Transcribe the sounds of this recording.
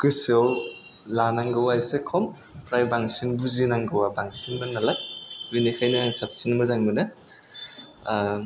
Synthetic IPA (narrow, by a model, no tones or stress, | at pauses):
kɯsɔw | lanaŋɡɯwajsekʰɔm | pɾajbaŋsinbuzinaŋɡɯwabaŋsinmɯnalak̚inikʰajnɯaŋsap̚sinmɯzaŋmɯnɯ